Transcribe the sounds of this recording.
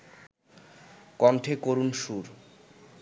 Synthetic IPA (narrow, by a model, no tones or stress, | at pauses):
kɔnʈʰekoɾunʃuɾ